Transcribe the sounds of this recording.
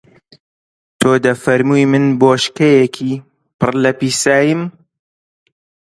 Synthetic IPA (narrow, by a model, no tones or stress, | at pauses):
t̪ʰoːd̪ɐfɐɾmujmɨnboːʃkɐjɛkʰiː | pʰɨrlɐpiːsaːjɨm